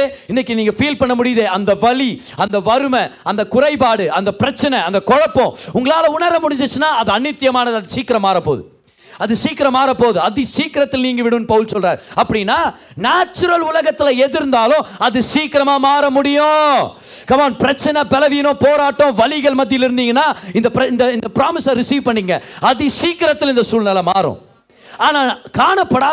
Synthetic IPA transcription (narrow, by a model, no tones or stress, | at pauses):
ɪnːɛk̬ːɯniːŋɡɐfiːlpɐɳːɐmʊɽɪjɐðeːɐnd̪ɐʋɐli | ɐnd̪ɐʋɐɾɯmɐɐnd̪ɐkʊɾɐɪpaːɽɯʔɐnd̪ɐpɪɾɐt͡ʃːɐnɛɐnd̪ɐkɔɻɐpːõʊŋɡɐɭaːlɐʊɳɐɾɐmʊɽɪ̃ɲd͡ʒɯt͡ʃːɯnːaːɐðɯɐnːɪt̪ːɪjɐmaːnɐðɯɐðɯsiːkːɪɾɐmaːɾɐpːo̰ːðɯ̰ | ɐðɯsiːkɪɾɐmaːɾɐpːoːðɯɐðisiːkːɪɾɐt̪ːɪlniːŋɡɐʋɪɽɯ̃nːɯpɐʋɯlsɔlɾaːɾɐpːɐɽɪnːaː | naːt͡ʃːʊɾɐlʊlɐɣɐt̪ːɪlɐɛðɪɾɯnd̪aːlʊ̃ɐðɯsiːkɪɾɐmaːmaːɾɐmʊɽɪjʊ̃ | kɐmaːnpɪɾɐt͡ʃːɐnɐbɛlɐʋinõpoːɾaːʈːõʋɐlɪɣɐɭmɐt̪̬ːɪlɪɾɯnd̪iːŋɡɐnːaːɪnd̪ɐpɪɾɐɪnd̪ɐɪnd̪ɐpɪɾaːmɪsãɾɪsiːʋpɐɳːiːŋɡɐ̰ɐðisiːkːɪɾɐt̪ːɪlɪnd̪ɐsuːlnɐlɐmaːɾʊ̰̃ | aːnaːkaːɳɐpːɐɽaː